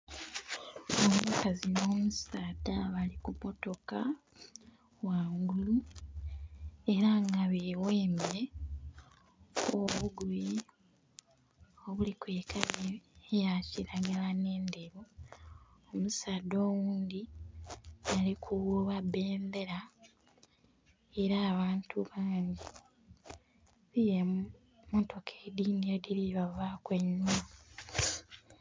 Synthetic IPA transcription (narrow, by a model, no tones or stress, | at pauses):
omukazino̞ːmusaːdaβalikumo̞to̞ka | waːŋɡulu | e̞ɾaŋɡaβeːweːmbe | oβuɡui | oβulikwe̞ːkʰaβeːjaciɾaɡalane̞ːndeɾo | omusado̞ːwuːnd̪i | jalikʰuwuβabe̞ːmbe̞ɾa | eɾaːβaːntʰuβaːɲɟi | βije | moto̞kʰedinijodiliβavakwe̞ɲːua